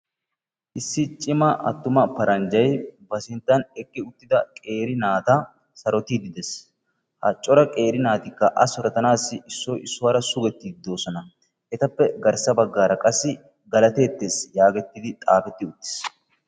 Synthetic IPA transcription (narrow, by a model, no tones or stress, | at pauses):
ʔɪsːɪt͡ʃʼɪmɐʔɐ̰t̪ːʊmɐpɐɾɐnd͡ʒɐjbɐsɪnt̪ːɐnɛkːɪʊt̪ːɪd̪ɐkʼe̞ːɾɪnaːt̪ɐ | sɐɾɔt̪iːd̪ɪd̪ɛs | hɐ̰t͡ʃʼːɔɾɐkʼe̞ːɾɪnaːt̪ɪkːɐʔɐsɔɾɐt̪ɐnaːsːɪɪsːɔɪsːʊwɐɾɐsʊɡɛt̪ːiːd̪d̪o̞ːsɔnɐ | ʔɛt̪ɐpːɛɡɐɾsɐbɐɡːaːɾɐkʼɐsːɪ | ɡɐlɐt̪e̞ːt̪ːeːsjaːɡɛt̪ːɪd̪ɪt̪ʼaːfɛt̪ːɪʊt̪ːɪ̥s